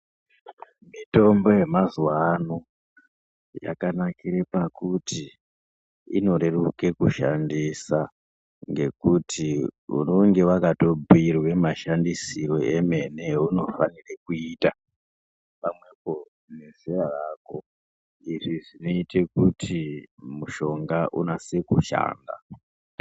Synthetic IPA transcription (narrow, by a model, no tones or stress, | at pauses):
mito̞mbo̞je̞mazuwano | ja̰kanakiɾepakutʰi | ino̞ɾe̞ruke̞kuʃandisa | ŋɡe̞kutʰiṵnoŋɡe̞wakato̞buirwe̞maʃandisiɾo̞e̞me̞ne̞uno̞fanirekuita | pamwe̞po̞ | ne̞zerarako̞ | iʐiʐino̞ite̞kutʰimuʃo̞ŋɡaʔunasekuʃa̰ːnda̰